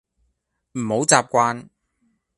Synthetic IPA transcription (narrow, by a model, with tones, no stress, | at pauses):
m̩˨˩ho˨˥wt͡saː˨p̚kʷaː˧˥n